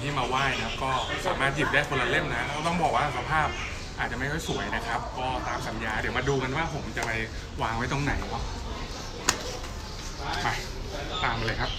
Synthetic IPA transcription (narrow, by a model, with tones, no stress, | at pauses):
t̪ʰiː˥˩maː˧waː˥˩jna˧˦a˧˥kɔː˥˩sa̰ː˩˦maː˥˩t̪̚ji˨˩p̚daː˥˩jkʰo˧nla˧le˥˩mna˦˥ʔa˦˥ka˥˩t̪ɔ˥˩ŋbɔː˨˩k̚waː˥˩sa˧pʰaː˥˩p̚ | ʔaː˨˩t̪̚t͡ɕa˨˩ma˥˩jkʰɔ˥˩jsu˨˩˦əjna˦˥kʰa˦˥p̚kɔː˥˩t̪aː˧msa˩˦njaː˧dɯ˨˩˦wmaː˧duː˧ka˧nwaː˥˩pʰo˩˦mt͡ɕa˨˩pa˧j | waː˧ŋwa˥˩jt̪ɔ˥˩ŋna˩˦ja˥˩ | kʰa˧˩j | t̪aː˧mʔa˧la˧jkʰa˦˥p̚